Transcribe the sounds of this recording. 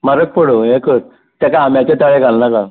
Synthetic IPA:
maɾək̚pəɽoɦẽkəɾ | t̪jakaɦamjat͡ɕet̪aɭeɡʱalnaka

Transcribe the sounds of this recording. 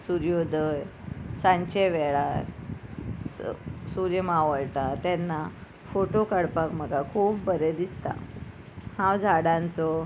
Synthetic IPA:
suɾjod̪əjsãɲt͡ɕeʋɛɭaɾ | suɾjəmaʋəɭʈ̪at̪ɛnːa | foʈokəɽpakm̤əɡakʰuːpbəɾed̪ist̪a̰ | hãwd͡zʱaɽãnt͡sɔ

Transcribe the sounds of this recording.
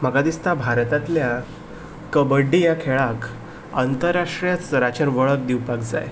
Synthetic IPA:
m̤əɡad̪ist̪abʱaɾt̪at̪lja | kəbəɖːijakʰeɭak | ant̪əɾaʂʈɾijat͡sɾat͡ɕəɾʋəɭək̚d̪iwpakd͡za̰j

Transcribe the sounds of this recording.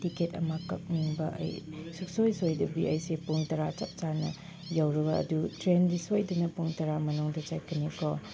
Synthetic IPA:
tiketɐmɐkɐ̰k̚niŋbɐ̰ʔɐ̰jsuk̚sojsojdɐbiɐjsepuŋtɐɾat͡ʃɐp̚t͡ʃaɾnɐ̰ | jawɾɐbɐɐ̰dutɾenɾisojdɐnɐpuŋtɐɾamɐnuŋdɐt͡ʃajkʰɐnikʰɔ

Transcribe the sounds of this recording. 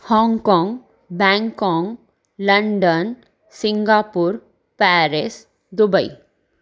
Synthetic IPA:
hɔ̃ːŋɡkɔ̃ːŋɡ | bɛ̃ːŋkɔ̃ːŋɡ | lɐɳɖən | sɪ̃ŋɡaːpuːɾ | pɛːɾes | d̪ʊbəḭ

